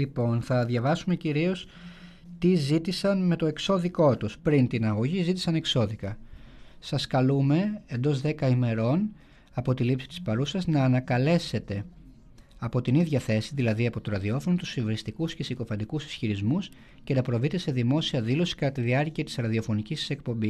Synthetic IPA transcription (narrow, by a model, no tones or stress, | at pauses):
lipo̞nθɐðʝɐvɐsume̞ciɾio̞s | t̪izit̪isɐnme̞t̪o̞e̞kso̞ðiko̞t̪uspɾint̪inɐɣo̞ʝizit̪i̥sɐne̞kso̞ðikɐ | sɐskɐlume̞end̪o̞zðe̞kɐime̞ɾo̞n | ɐpo̞t̪ilipsi̥t̪i̥spɐɾusɐznɐːnɐkɐle̞se̞t̪e̞ | ɐpo̞t̪iniðʝɐθe̞siðilɐðiɐpo̞t̪oɾɐðio̞fo̞not̪usiveɾist̪ikuscesiko̞fɐnd̪ikusi̥sçiɾizmus | ce̞nɐpɾo̞vit̪ese̞ðimo̞siɐðilo̞si̥kɐt̪ɐt̪iðiɐɾciɐt̪i̥sɾɐðio̞fo̞nicist̪i̥se̞k̚po̞mbi